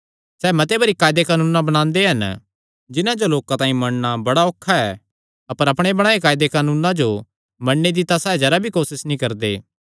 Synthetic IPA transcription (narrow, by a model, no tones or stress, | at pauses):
sɛːmɐt̪̬ebɐɾikaːjd̪ekaːnuːnãbɐɽ̃ãːnd̪eɦɐn | d͡ʒɪnãd͡ʒoloːkãt̪ãːĩmɐɽnabɐɽaoːkʰːaɛː | ɐpəɾɐpɽ̃ebɐɽ̃aːekaːjd̪ekaːnũːnãd͡ʒo | mɐɽːed̪ɪt̪asɛːd͡ʒɐɾabʱikoːsɪsnĩkɐɾd̪eː